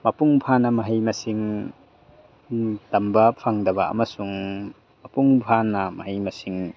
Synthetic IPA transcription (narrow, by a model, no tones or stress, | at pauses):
mɐpuŋpʰanɐmɐɦɐjmɐsiŋ | tɐmbɐpʰaŋdɐbɐɐ̰mɐsuŋ | mɐpuŋpʰanɐmɐɦɐjmɐsiŋ